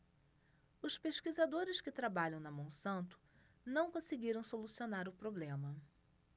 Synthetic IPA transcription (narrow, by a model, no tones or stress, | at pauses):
ʊspeʃkizad̪oɾɪskɪt̪ɾabaʎɐ̃w̃nɐmɐ̃w̃sɐ̃nt̪ʊ̥ | nɐ̃w̃kõsɪɡiɾɐ̃w̃solusionaɾʊpɾoblẽmɐ